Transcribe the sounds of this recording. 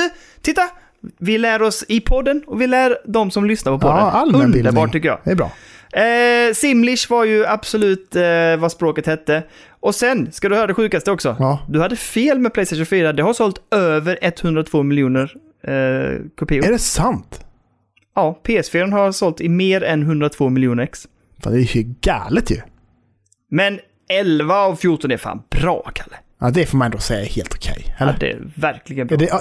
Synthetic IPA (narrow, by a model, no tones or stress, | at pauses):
t̪ʰɪt̪ːa | vɪlæːɾɔsɪpʰɔd̪ːənɔvɪlæːɾd̪ɔmsɔmlʏsnaɾpʰɔpʰɔd̪əalɵnd̪ləɾbɑːʈʰːʏkːəjɑ̰ːɛbɾɑ̰ː | sɪmlɪʂvaɾjɵab̥sɔlʉ̟ːt̪vaspɾoːkət̪hɛt̪ːə | ʔɔsɛnskad̪ɵhœːɾad̪ɛɧʉ̟ːkast̪əɔksɔd̪ɵhad̪ːəfeːlmɛplɛjst̪eʃʊnfyːɾad̪ɛɦaʂsɔlt̪øːvəɾɛt̪ːhɵnd̪ɾat̪ʰv̥oːmɪljuːnəɾ | kʰʊpʰiːɛɖɛsant̪ | ɑːpʰeːɛsfeːɾənhaɾsɔlt̪ɪmeːɾɛnɦɵnd̪ɾat̪ʰv̥oːmɪljuːnəɾɛks | fa̰ːnd̪ɛhɵɡa̰ːlət̪ʰjɵ̰ | mɛn | ɛlvaːvfjʊʈːɔnɛɾfa̰ːnb̥ɾɑ̰ːkʰḁlːə | ɑd̪ɛfoːmanɛnd̪oːsɛjːaɛɾhḛːlt̪ʊ̥kʰɛ̰jhɛld̪ɛ̰væɾkʰlɪɡənbɛ